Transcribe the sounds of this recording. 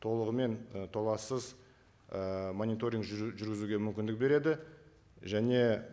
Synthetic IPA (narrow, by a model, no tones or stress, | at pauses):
t̪ʰo̞lˠəʁəme̞nət̪ʰo̞lˠɑsəz | əmonit̪o̞ɾʲiŋkʒʒʏɾɡʲɪzuɡʲe̞mʏmkʲɪnd̪ɪk̚be̞ɾe̞d̪ɪ | ʒæne̞